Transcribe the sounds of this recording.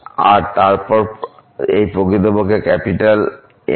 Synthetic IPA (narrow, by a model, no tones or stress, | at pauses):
a̰ɾt̪aɾpɔɾ | ejpɾokɾit̪obokekɛpiʈal̰